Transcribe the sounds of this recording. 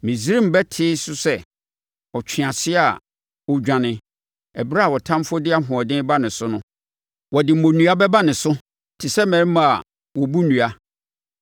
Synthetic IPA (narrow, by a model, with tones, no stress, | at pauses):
mĩ˨zi˦ɾi˦m̩˨bɛ˦tʰɪ˦sʊ˦sɛ˦˨ | ɔ˨t͡ɕᶣʰɪ̃˨ã˨sɪ˦a˨ | wɔ˨d͡ʑᶣã˨nɪ̃˨ | ɛ˨bɾa˦a˨wɔ˨tʰã˦mfʊ˦dɪ˦a˦ɦʊ̃˨ɔ˨dɪ̃˦ba˦nɪ̃˨sʊ˦nʊ̃˦ | wɔ˨dɪ˨mõ˨nũ˦a˦bɛ˦ba˦nɪ̃˨sʊ˦ | tʰɪ˨sɛ˦mɛ̃˨ɾmã˨a˨ | wɔ˨bu˦nũ˨a˨